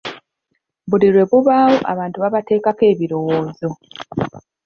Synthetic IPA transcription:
βuliɾwe̞βuβaːwoʔa̰βaːntuβaβate̞ːkake̞ːβiɾo̞woːzo̞

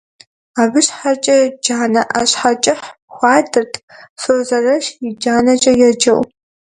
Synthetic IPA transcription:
aːbɨɕħat͡ʃʼɐd͡ʒaːnɐʔɐɕħat͡ʃʼɪħxʷɑːdɨrtʰsoːzɐrɐʃjɪd͡ʒaːnɐt͡ʃʼɐjɛd͡ʒɐw

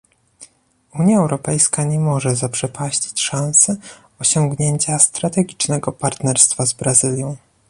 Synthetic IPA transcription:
uɲjaɛwɾɔpɛjskaɲɛmɔʐɛzapʂɛpʰaɕt͡ɕi̥t͡ɕʂãñsɘ | ɔɕɔŋɡɲeɲt͡ɕast̪ɾat̪ɛɡʲit͡ʂnɛɡɔpaɾt̪nɛɾst̪fazbɾazɘlʲjɔ̃w̃

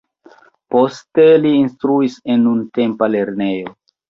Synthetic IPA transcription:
po̞ste̞liːnstɾuise̞nːunte̞mpale̞ɾne̞jo

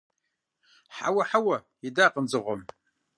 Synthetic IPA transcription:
ħa̰wɐħawɐ | jidaːqʼənd͡zɨʁʷɔm

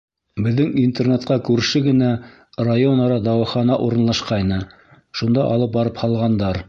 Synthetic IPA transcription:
bɘ̆ðːɘŋint̪ernet̪qɑkʉɾʃɘɡɘ̆næ | rajonɑɾɑd̪ɑwɤ̆χɑnɑʔuɾɤ̆nlˠɑʃqɑjnɤ | ʃund̪ɑʔɑ̰lˠɤp̚bɑɾɤphɑlˠʁɑnd̪ɑɾ

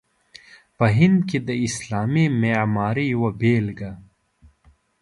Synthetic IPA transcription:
pɐɦind̪kid̪ɐislaːmimeːmaːɾijwɐbeːlɡɐ

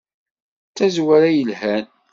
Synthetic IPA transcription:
t͡sæzwæɾajəlhæn

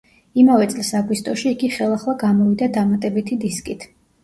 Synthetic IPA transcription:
imavɛt̪sʼlisaɡwist̪ʼɔʃiːɡiχɛlˠaχlˠaɡamɔvid̪ad̪amat̪ʼɛbit̪ʰid̪iskʼit̪ʰ

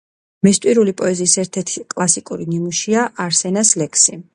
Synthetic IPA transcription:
mɛst̪ʼwiɾulipʼɔɛziːsɛɾt̪ʰɛɾt̪ʰikʼlˠasikʼuɾinimuʃiaʔaɾsɛnaslɛkʰsi

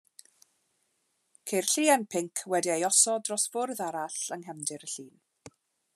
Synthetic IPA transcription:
kʰerɬiːənpʰɪŋkʰwɛdiejɔsɔdrɔsv̥ʊrðaɾaɬəŋɦɛmdɪɾəɬiːn

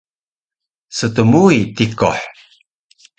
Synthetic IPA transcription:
sətəmuitikɔ̰ħ

